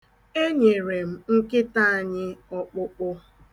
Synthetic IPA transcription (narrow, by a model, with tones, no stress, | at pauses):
e˦ɲe˨ɾe˨m̩˨ŋ̩˦kɪ˦ta˦˨a˨ɲɪ˦ɔ˦k͡pʊ˦k͡pʊ˦